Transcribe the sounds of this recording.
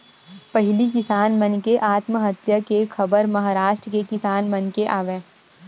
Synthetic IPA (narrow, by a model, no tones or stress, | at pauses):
pɐɦɪlikɪsaːnmɐ̃nkeʔaːt̪məɦɐt̪jəkekʰɐbəɾmɐɦaːɾaːʃʈɾəkekɪsaːnmɐ̃nkeʔaːʋẽː